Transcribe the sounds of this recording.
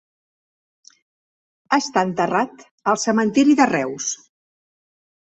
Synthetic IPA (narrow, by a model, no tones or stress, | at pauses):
əst̪aənt̪ərat̪ | əlˠsəmənt̪iɾiðərɛws